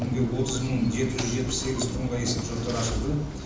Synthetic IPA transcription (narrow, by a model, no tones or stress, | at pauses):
ɪŋɡ̪ʲewo̞t̪əzməŋʒe̞t̪ɪʒʏzʒet̪̚pɪ̥sse̞ɡʲɪzt̪ʰoɴʁɑje̞sepʒot̪ːɑɾɑʃəlˠd̪ə